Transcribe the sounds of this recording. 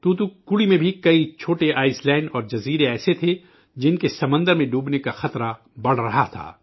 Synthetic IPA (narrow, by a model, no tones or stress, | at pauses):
t̪ut̪ukʊɽimẽbʱikɐit͡ʃʰoːʈeʔaːɪslɛːɪnɖɔːɾd͡ʒɐziːɾeɛːset̪ʰe | d͡ʒɪnkesɐmə̃nd̪əɾmẽɖuːbnekaxɐt̪ɾa | bɐɽ̤ɾɐɦat̪ʰa̰ː